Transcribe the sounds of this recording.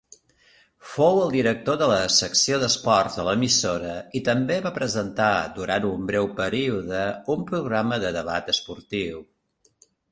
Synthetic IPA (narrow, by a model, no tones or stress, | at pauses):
fowəlˠd̪iɾək̚t̪oðələsəksioðəspɔrt̪ðələmisoɾəit̪əmbeβapɾəzənt̪ad̪uɾant̪umbɾɛwpəɾiuðəumpɾuɣɾaməðəðəβat̪əspuɾt̪iw